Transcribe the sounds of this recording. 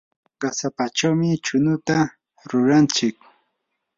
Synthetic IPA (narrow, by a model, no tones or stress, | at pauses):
ɢasapat͡ʃawmɪt͡ʃʊnʊt̪a | ɾʊɾant͡ʃɪk̚